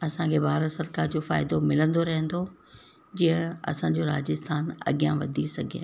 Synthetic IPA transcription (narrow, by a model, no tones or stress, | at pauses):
ɐsãkʰeːbʱaːɾsɐɾkaːɾd͡ʑoːfa̰ːɪd̪omɪlə̃nd̪oɾɐɦə̃nd̪o | d͡ʑiːə̃ɐ̰sãːɲ̆d͡ʑoɾaːd͡ʑɪst̪ʰaːnɐ̰ɠijãʋɐd̪ʱisɐɡʱḛː